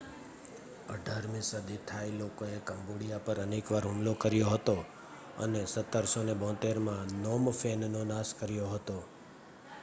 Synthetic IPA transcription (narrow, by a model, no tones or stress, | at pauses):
əɖʱaɾmĩsəd̪it̪ʰailokoekəmboɽijapəɾənekʋaɾɦumlokəɾjoɦət̪o | ə̰nesət̪ːəɾsonebõt̪eɾmãnomfennonãskəɾjoɦət̪o